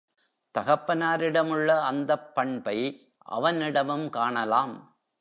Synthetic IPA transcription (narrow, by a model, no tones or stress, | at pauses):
t̪ɐɣɐpːɐnaːɾɪɽɐmɯɭːɐɐnd̪ɐpːɐɳbɐɪ | ʔɐ̰ʋɐnɪɽɐmɯmkaːɳɐlaːm